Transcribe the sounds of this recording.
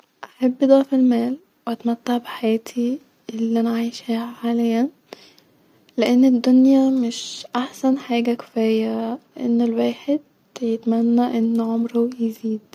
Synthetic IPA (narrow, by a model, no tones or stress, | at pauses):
ʔaħabːd̪ˤɑʕfelmæːl | weʔæt̪mæt̪ːaʕbeħajæːt̪ʰi | elːiʔænʕajʃhiːhæħaːlɪjæn | leʔenːed̪ːonjæmeʃʔaħsænħaːɡækɪ̥fæːjæʔḛnːelwæːħed̪̚ | jet̪mænːæʔenːʕomɾojeziːd̪